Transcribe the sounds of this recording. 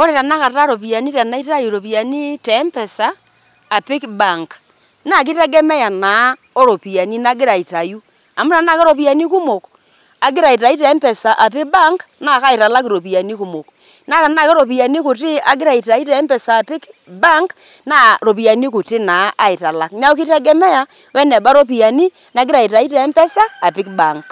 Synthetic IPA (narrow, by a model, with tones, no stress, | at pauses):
o˦e˨ta˨na˦ka˨ta˦ɾo˨pi˨a˨ni˦ta˨na˦i˦ta˦ju˨ɾo˨pi˨a˨ni˦tɛ˨˦mpɛ˨saː˨˦˨ | pi˦kba˨ŋk | na˦˨k̬i˦tɛ˦ɡɛ˦mɛ˦ja˨na˨˦ | o˦ɾo˨pi˨a˨ni˦na˦ɡi˦ɾa˨i˨ta˨ju˦ | a˨mu˦a˨na˦kɛ˦ɾo˨pi˦a˨ni˦ku˦mo˨k | a˨ɡi˦ɾa˨i˨t̬a˨ji˦tɛ˨˦mpɛ˨sa˨ʔa˨pi˦ba˦ŋk | na˦˨ka˦ɪ˨ta˨la˦kɾo˨pi˨ja˨ni˦ku˨mo˨k | na˦ɾa˨na˦˨kɛ˦ɾo˨p̬i˨ja˨ni˦ku˨tɪ˦a˨ɡɪ˦ɾa˨i˨ta˨i˦tɛ˨˦mpɛ˨sa˨pɪ˦kba˦ŋk | na˦ɾo˨pi˨ja˨ni˦ku˨tɪ˦na˨˦ʔa˦i˨ta˨la˨kna˦o˦ki˦tɛ˦ɡɛ˦mɛ˦ja˨ | wɛ˦nɛ˨ba˦ɾo˦p̬i˨ja˨ni˦ | na˨˦ɡɪ˦ɾa˨i˨ta˨i˦tɛ˨˦m˦pɛ˦saː˦˨pɪ˦kba˨ŋk